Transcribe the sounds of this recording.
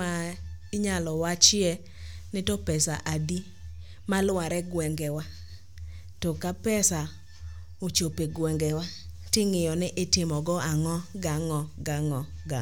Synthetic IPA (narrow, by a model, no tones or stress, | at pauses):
aɪɲalɔwat͡ʃɪɛ | nɪtopɛsaʔadi | malwaɾɛɡwɛŋɡɛwa | tokapɛsa | ot͡ʃopeɡwɛŋɡɛwa | tɪŋɪjɔnɪʔɪtɪmɔɡɔaŋɔɡaŋɔɡaŋɔɡa